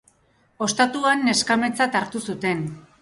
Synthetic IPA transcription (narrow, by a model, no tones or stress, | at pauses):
o̞st̪at̪uanːe̞skame̞t͡sat̪aɾt̪usut̪e̞n